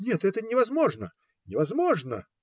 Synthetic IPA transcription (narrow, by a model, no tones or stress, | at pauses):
nʲɛt̪ɛt̪ənʲɪvɐzmoʐnə | nʲɪvɐzmoʐnə̰